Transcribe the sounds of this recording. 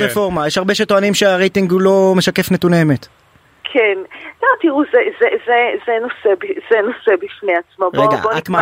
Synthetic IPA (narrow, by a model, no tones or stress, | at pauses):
ʁefoʁmajeʃhaʁbeʃet̪oanimʃeaʁejt̪iŋɡulo̞me̞ʃake̞fnet̪uneːmet̪ | kʰenlat̪iʁuzezezezenosebiz̥eno̞sebifneat͡smoʁbeɡaabonit̪ma